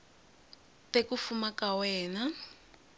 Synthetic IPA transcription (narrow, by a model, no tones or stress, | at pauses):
tekufumakawɛːna